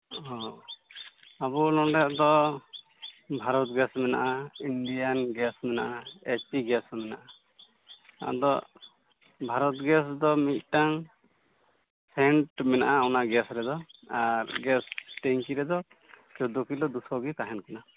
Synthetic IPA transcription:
ɔ̃ | abulɔɳɖɛʔd̪ɔ | bʱaɾɔt̪̚ɡɛsmɛna̰ʔainɖijanɡɛsmɛnaʔaet͡ʃiɡɛsmɛna̰ʔa | t̪a̰ʔa̰d̪ɔ | bʱaɾɔt̪ɡɛsd̪ɔmit̪̚ˀʈaŋ | sɛɳʈmɛna̰ʔaawnaɡɛsɾɛd̪ɔaɾɡɛsʈeɲkiɾɛd̪ɔ | t͡ʃɔd̪ukilɔd̪usɔɡit̪aɦɛnkana

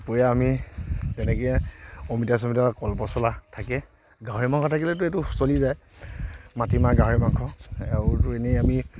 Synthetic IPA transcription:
pojaːmitɛnɛkɛɔmitas̬ɔmitaakɔlpɔsɔlatʰakɛ | ɡaɦɔɹimaŋkʰɔtʰakilɛt̬ʊɛtʊxu̥solizaj | matimaɡaɦɔɹimaŋkʰɔɛʊtʊɛnɛami

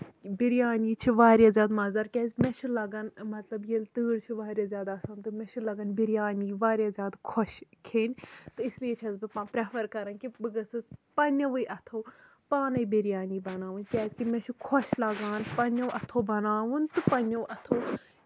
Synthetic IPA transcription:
biɾjaːniːt͡ʃʰiʋaːɾjazʲaːd̪mɐzɐɾkʲɛːzʲmɛt͡ʃʰulɐɡɐnmɐt̪lɐbjelt̪ɨːɽt͡ʃʰiʋaːɾʲjazʲjaːd̪ːsãːnt̪ɨmɛ̃t͡ʃʰulɐɡɐnbiɾjaːniːʋaːɾʲjazʲjaːd̪kʰoʃkʰeːnʲt̪ɨislijet͡ʃʰɐzbɨpãːpɾefɐɾkɐɾɐnʲkibɨɡɐsɨspɐnʲɐʋɨjʔɐt̪ʰoː | paːnɐibiɾjaːniːbɐnaːʋunʲkʲɛːzʲkimɛ̃t͡ʃʰukʰoʃlɐɡaːnpɐnʲɐʋʔɐt̪ʰobɐnaːʋunʲt̪ɨpɐnʲoʋɐt̪ʰo

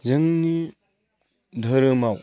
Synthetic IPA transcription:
zɯŋni | dʱəɾɯmaw

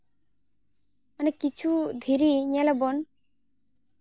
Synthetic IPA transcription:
ənɛkit͡ʃʰud̪ʱiɾiɲalabɔn

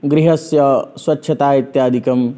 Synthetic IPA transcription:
ɡɾiɦɐsjɐswɐtːʃʰɐt̪aːit̪jaːd̪ʱikɐm

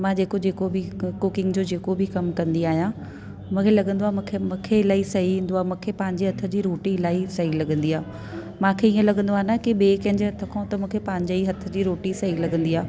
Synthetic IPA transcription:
mãːd͡ʑeːkod͡ʑeːkobʱɪkʊkɪ̃ŋɡd͡ʑoːd͡ʑeːkobʱɪkɐmkɐ̃nd̪iaːɦijã | mũːkʰelɐɠə̃nd̪oãːkʰemũːkʰeɪlaːisɐɦiʋĩːnd̪oaːmũːkʰepãːɦɪ̃ɲ̆d͡ʑiɦɐt̪ʰə̆d͡ʑiːɾoːʈiɪlaːisɐɦilɐɠə̃nd̪iaː | mãːkʰeiːə̃lɐɠə̃nd̪oaːɦnakiɓeːkɐ̃ɦɪ̃ɲd͡ʑeɦɐt̪ʰə̆kʰãũt̪ɐmũːkʰepãɦɲd͡ʑeiɦɐt̪ʰːə̆d͡ʑiːɾoːʈisɐɦilɐɠə̃nd̪iːaː

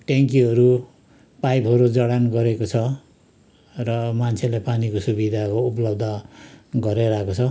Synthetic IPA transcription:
ʈeŋkiɦʌɾu | pajpɦʌɾud͡zʌɽanɡʌɾekot͡sʰʌ | rʌmant͡sʰelajpanikosubid̪ʱakouplʌb̚d̪ʱʌɡʌɾeɾaekot͡sʰʌ

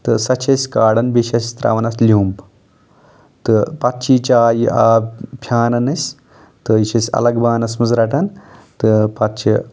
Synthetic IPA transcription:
t̪ɨsɐt͡ʃʰɐsʲkaːɽɐnbiʃʰɐsʲt̪ɾɐ̰ʋɐnɐslʲuːmp | t̪ɨpɐt̪t͡ʃʰit͡ʃaːjiʔaːpʲʰjaːnɐnɐsʲ | t̪ɨiʃɐsʲɐ̰lɐɡbaːnɐsmɨzɾɐʈɐnt̪ɨpɐt̪t͡ʃʰḭ

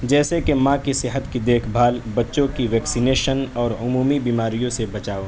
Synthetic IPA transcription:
d͡ʒɛːsekemãkisɪɦət̪kid̪eːkʰbʱaːlbɐtːʃõkiʋɛːksineːʃənɔːɾʊmuːmibiːmaːɾijõsebɐt͡ʃaːo

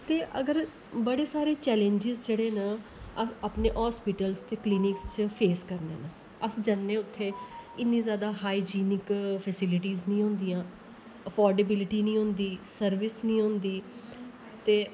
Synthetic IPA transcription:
t̪eːʔəɡəɾ | bəɽeːsaːɾeːt͡ʃɛːlẽɲd͡ʒɪzd͡ʒeːɽeːnãəaːpnḛːʔɦaːspɪʈəlzt̪eːkliːnɪkst͡ʃpʰeːskəɾnḛːna | əsd͡ʒanːẽːʊt̪ʰːeːɪnːĩːzjaːd̪aːɦaːid͡ʒiːnɪkpʰɛːsɪlɪʈiːznĩːɦʊ̃ːnd̪ijãː | əpʰɔːɾɖeːbɪlɪʈiːnĩːɦʊ̃nd̪iːsəɾʋɪsnĩːɦʊ̃nd̪iː | t̪eː

